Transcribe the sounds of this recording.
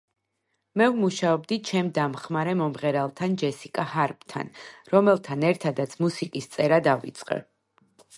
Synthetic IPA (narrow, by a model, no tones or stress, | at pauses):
mɛvmuʃaɔbd̪it͡ʃʰɛmd̪amχmaɾɛmɔmʁɛɾɛlˠt̪ʰand͡ʒɛsikʼahaɾp̚ʰʼt̪ʰa̰nɾɔmɛlˠt̪ʰanɛɾt̪ʰad̪at̪sʰmusikʼist̪sʼɛɾad̪avḭt̪sʼqʼɛ̰